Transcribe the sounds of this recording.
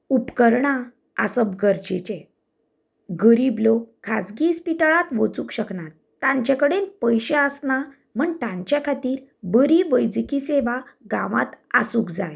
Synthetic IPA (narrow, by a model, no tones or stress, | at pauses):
upkəɾɳa | a̰səbɡəɾd͡ʑet͡ɕe | ɡəɾiblokʰad͡zɡiːspit̪aɭat̪ʋot͡sukɕəknat̪ːãɲt͡ɕakəɽenpəjɕeəsna | m̤əɳt̪ãɲt͡ɕakʰat̪iːɾbəɾiʋəjd͡zikiseʋaɡãʋa̰t̪asukd͡zaj